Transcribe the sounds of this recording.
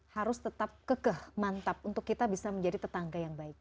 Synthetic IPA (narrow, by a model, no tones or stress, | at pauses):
haɾʊst̪ət̪ap̚kəkəhmant̪ap̚unt̪ʊkːit̪abisaməɲd͡ʒadit̪ət̪aŋɡajaŋbaɪk̚